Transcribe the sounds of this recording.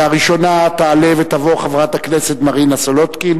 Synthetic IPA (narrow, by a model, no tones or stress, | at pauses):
aʁiʃo̞nat̪aːlevet̪avo̞χavʁat̪akneset̪maʁinasolot̪kin